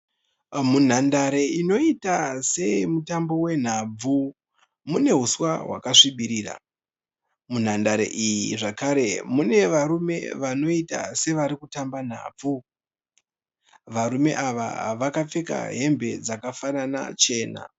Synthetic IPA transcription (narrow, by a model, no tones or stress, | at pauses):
mun̤andaɾe̞ino̞itase̞mutambo̞we̞n̤ab͡vu | mune̞ɦuswaɦwa̰kaʂiɓiɾiːra̰ | mun̤andaɾḛʔijiʐakaɾe̞mune̞ʋaɾume̞̰ʋano̞ita̰se̞ʋaɾikutamban̤a̰ːb͡vu | ʋaɾume̞̰ʔaʋa̰ʋakap͡feka̰ɦe̞mbe̞d͡zakafanana̰t͡ʃe̞ːna̰